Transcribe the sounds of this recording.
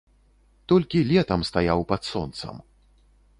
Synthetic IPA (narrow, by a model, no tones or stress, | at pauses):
t̪ɔlʲkʲilʲɛt̪ɐmst̪ajawpɐt̪sɔnt̪sɐ̰m